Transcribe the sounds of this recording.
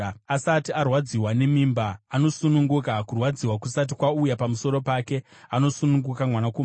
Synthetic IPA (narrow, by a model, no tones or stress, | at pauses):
asatiarwad͡ziwane̞miːmbaːno̞sunuŋɡukakurwad͡ziwakusat̬ikwaujapamuso̞ɾo̞paːke̞ano̞sunuŋɡukamwanakum